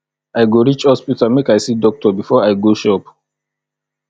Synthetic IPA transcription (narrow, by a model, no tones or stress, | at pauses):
ajɡoɹit͡ʃhɔspitamekajsidɔk̚tʰɔbifɔajɡoʃɔp